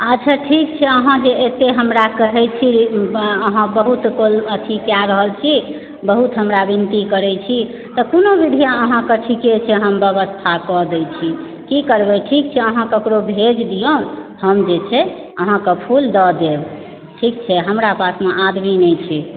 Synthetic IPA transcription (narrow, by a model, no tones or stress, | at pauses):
ət͡ʃʰaʈʰikt͡ʃʰɛəɦãd͡ʒeet̪eɦəmɾakəɦɛt͡ʃʰi | əɦãbəɦut̪kolət̪ʰikjaɾəɦəlt͡ʃʰi | bəɦut̪ɦəmɾabint̪ikəɾɛt͡ʃʰi | t̪ɔkonobid̪ʱijaəɦãkəʈʰiket͡ʃʰɛɦəmbeβəst̪ʰakɔd̪ɛjt͡ʃʰi | kikəɾbɛʈʰik̚t͡ʃʰɛəɦãkəkɾobʱed͡ʒd̪ijõhəmd͡ʒet͡ʃʰɛ | əɦãkəpʰuld̪əd̪eb | ʈʰik̚t͡ʃʰɛɦəmɾapasmeʔad̪minɛt͡ʃʰi